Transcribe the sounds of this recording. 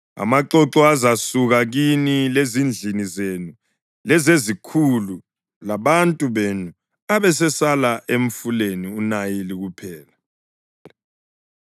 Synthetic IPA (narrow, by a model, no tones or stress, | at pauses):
a̰maǃɔǁɔazasuɣaɣinilezind͡ɮʱinizenu | lɛzezikʰulu | laβantʼuβenu | aβɛsɛsalaʔeɱ̩fuleniunajiliɣupʰɛːla